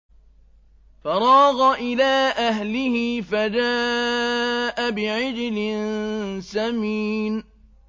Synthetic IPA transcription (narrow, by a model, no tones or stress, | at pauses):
fɑɾˤɑːɣɑʔɪlaːʔaɦlɪhɪfad͡ʒaː | ʔabɪʕɪd͡ʒɪlɪnsamiːn